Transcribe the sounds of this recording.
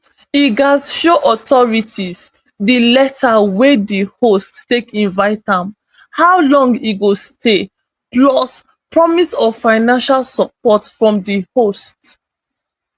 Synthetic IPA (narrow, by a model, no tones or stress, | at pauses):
iɡazʃoʔɔtʰɔɹitʰis | dilɛtʰawedihostːekĩnvaɪt̚dãm | haʊlɔ̃ŋɡiɡoste | plɔs | pɹɔmisɔvfaɪnãnʃalsɔp̚ɔtfɹɔ̃mdihost